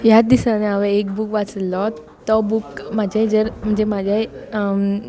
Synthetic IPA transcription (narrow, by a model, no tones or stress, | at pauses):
jad̪isaneaʋeek̚bukʋat͡səlːɔt̪ː | ɔbukmad͡ʑʱad͡zəɾm̤əɳd͡zemad͡ʑʱjaj